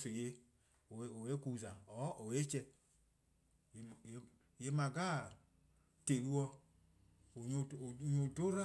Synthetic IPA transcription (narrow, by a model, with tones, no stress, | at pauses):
se˨je˧˨ | o˨we˦ku˦˨za˨ɔ˨˦o˨we˦t͡ʃɛ˧˨˦ | je˦ma˨ɡa˦ | te˨lu˦ɔ˧˨ | ɲo˨do˦ɾa˦